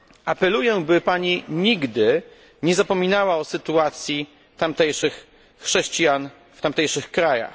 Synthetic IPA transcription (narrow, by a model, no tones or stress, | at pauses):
ʔapɛlujɛbɘpaɲiɲiɡd̪ɘ | ɲɛzapɔmʲinawaɔsɘt̪uat̪sʲji | t̪amt̪ɛjʂɘxː | ʂɛɕt͡ɕijan | ft̪amt̪ɛjʂɘxkɾaja̰x